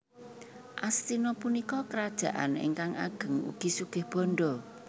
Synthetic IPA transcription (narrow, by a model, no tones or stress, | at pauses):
ʔast̪inɔpunikɔkəɾad̥ʒ̥ä̤ʔa̰nɪ̰ŋkaŋa̰ɡ̥ə̤ŋṵɡ̥isuɡ̥ɪ̤hb̥ɔnɖɔ